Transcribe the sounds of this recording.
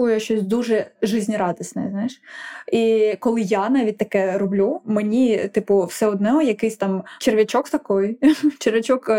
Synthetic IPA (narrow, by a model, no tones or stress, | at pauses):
ujjʃt͡ʃɔsʲd̪uʒɛʒɪzʲnʲiɾɑd̪ɔsʲnɛ̰znɑjɪʃikɔlˠɪjanɑʋʲit̚ʲt̪ɐkɛɾɔblʲumenʲit̪ɪpʊwsɛɔd̪nɛɦɔjɐkɪsʲt̪ɑmt͡ʃerʋʲɐt͡ʃɔkst̪ɐkɔjt͡ʃerʋʲɐt͡ʃɔk